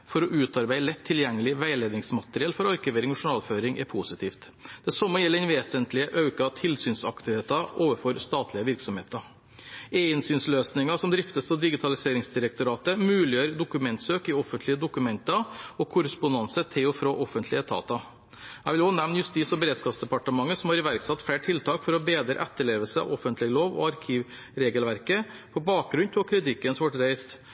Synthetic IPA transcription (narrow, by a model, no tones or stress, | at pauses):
fɔɾɔʔʉːt̪ɑɾbæɪlɛt̪ʰːɪljɛŋːəlɪʋæɪleːd̪ɪŋsmɑt̪ɾɪɛlfɔɾɑɾkʉʋeːɾɪŋɔʂʊɳɑːlføːɾɪŋɛpʰusɪt̪ʰiːft̪d̪ɛsɔmːəjɛlːəɛnʋeːsənt̪lɪəʔɑʉkɑt̪ʰɪlsyːnsɑ̰kt̪ɪheːt̪ɑoːʋəfɔɾst̪ɑːt̪ʰlɪəʋɪɾksɔmhḛːt̪ɑ | eɪnsyːnsløːsnɪŋɑsɔmd̪ɾɪft̪əsɑd̪ɪɡɪt̪ʰɑlɪseːɾɪŋsd̪ɪɾəkt̪ʊɾɑːt̪əmʉːlɪjøːɾd̪ʊkʉmɛnt̪søːkɪɔfənt̪lɪəd̪ʊkʉmɛnt̪ɑɔkʰʊɾəspʊnɑnsət̪ʰɪlɔfɾoːʔɔfənt̪ʰlɪət̪ʰɑ̰ːt̪ɑ | æɪʋɪlhɑnɛʋnjʉst̪ɪsɔbəɾeːd̪skɑːpsd̪ɛpɑʈəmɑŋːəsɔmhɑɾɪʋæɾksɑt̪ːfɽeːʈʰɪlt̪ʰɑːkfɔɾɔbeːd̪ɾə̰ʔɛt̪ːəɭeːʋəlsəɑ̰ʋɔfənt̪lɪəloːʋɔ̰ɑɾkʰiːʋ | ɾeːɡəlʋæɾkə | pʰɔbɑːk̚ɡɾʉnt̪ʰɪlɔkʰɾɪt̪ɪkːənsɔʋɔʈɾæɪst̪